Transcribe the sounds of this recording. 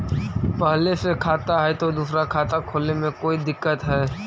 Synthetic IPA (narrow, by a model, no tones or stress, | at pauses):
pɐɦlesekʰaːt̪aɦɛt̪od̪uːsɾakʰaːt̪akʰoːlnemẽkoːid̪ɪkːət̪ɦɛː